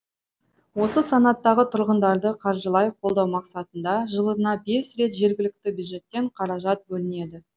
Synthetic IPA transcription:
wo̞səsɑnɑt̪ːɑʁət̪ʰʊɾʁənd̪ɑɾd̪əqʰɑɾʒəlˠɑjqʰolˠd̪ɑwmɑqsɑt̪ənd̪ɑʒəlˠəɾnɑbe̞sɾe̞t̪ʒe̞ɾɡʲɪlɪk̚t̪ɪbjud̪ʒe̞t̪ːe̞ɴqʰɑɾɑʒɑt̪̚bɵlɪne̞d̪ɪ

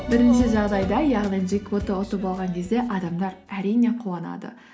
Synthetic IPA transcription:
bɪɾɪnʃɪʒɑʁd̪ɑjd̪ɑjɑʁlˠinʒijkvot̪əot̪əpɑlˠʁɑŋkʲʰe̞zd̪e̞ʔɑd̪ɑmd̪ɑɾæɾijne̞qʰuɑnɑ̰d̪ə̰

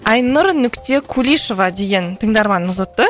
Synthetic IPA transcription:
ɑjnʊɾnʏkt̪e̞kʰulʲijʃo̞vɑd̪e̞ɡʲe̞nt̪ʰəŋd̪ɑɾmɑnəməzot̪ːə

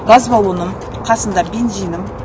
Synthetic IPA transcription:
ɡɑzbɑlˠunəɴ | qʰɑsənd̪ɑbʲe̞nzijnəm

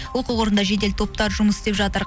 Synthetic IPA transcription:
wo̞quwo̞ɾənd̪ɑʒe̞d̪elt̪ʰo̞p̚t̪ɑɾʒʊməsɪ̥st̪e̞pʒɑt̪əɾ

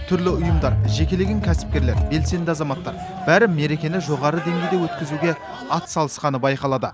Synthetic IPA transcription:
t̪ʰʏɾlɪʊjəmd̪ɑɾʒe̞kʲe̞leɡʲɪŋkʲʰæsɪ̥p̚kʲe̞ɾle̞ɾbe̞lse̞nd̪ɪɑzɑmɑt̪ːɑɾ | b̥æɾɪmːe̞ɾe̞kʲe̞nɪʒo̞ʁɑɾəd̪e̞ŋɡʲe̞jd̪ewɵt̪kʲɪzuɡʲe̞ | ɑt̪sɑlˠəsqɑnəbɑjqɑlˠɑd̪ə

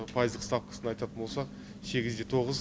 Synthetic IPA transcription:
pʰɑjəzd̪əqst̪ɑpkə̥sənɑjt̪ɑt̪ənbo̞lˠsɑq | se̞ɡʲɪzd̪et̪ʰo̞ʁəz

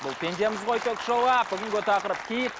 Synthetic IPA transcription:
bʊlˠpʲʰe̞nd̪e̞mɪzʁojt̪ʰøkʲʒolˠɑbɪɡʲɪŋɡʲet̪ʰɑqəɾəp̚kʲʰijt̪

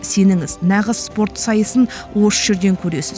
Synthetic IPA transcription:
se̞nɪŋɪznɑʁəz̥spo̞ɾt̪sɑjəsən | wo̞səʒ̥e̞ɾd̪e̞ŋkʲʰɵɾe̞sɪz

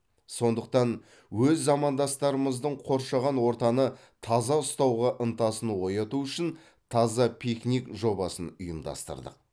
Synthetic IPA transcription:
so̞nd̪əq̚t̪ɑn | wɵzːɑmɑnd̪ɑst̪ɑɾəməzd̪əɴqʰo̞ɾʃɑʁɑnwo̞ɾt̪ɑnə | t̪ʰɑzɑʊst̪ɑwʁɑʔənt̪ɑsənwo̞jɑt̪uʏʃɪn | t̪ʰɑzɑpʲʰiknikʒo̞bɑsənʊjəmd̪ɑ̰st̪ə̰ɾd̪ə̰q̚

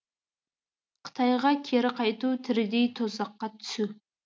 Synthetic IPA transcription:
qʰə̥t̪ʰɑjʁɑkʲʰeɾɪqʰɑjt̪ut̪ʰɪɾɪd̪ejt̪ʰozɑqːɑt̪ʰʏ̥su

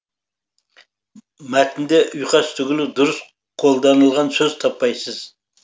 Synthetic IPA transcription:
mæt̪ʰɪnd̪eʔʊjqʰɑst̪ʰʏɡʲɪlɪd̪ʊɾɨs | qʰolˠd̪ɑnɨlˠʁɑnsɵz̥t̪ʰɑpːɑjsɨz̥

